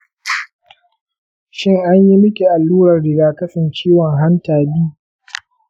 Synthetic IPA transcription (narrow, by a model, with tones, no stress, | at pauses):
ʃɪ˦ŋʔa˦ɲji˦mɪ˦kʲi˨ʔa˨lːuː˦ɾɐ˨rɽɪ˨ɡaː˨kɐ˦sɪ˨nt͡ʃiː˦wɔ˨ŋɦa˦ntaː˨biː˦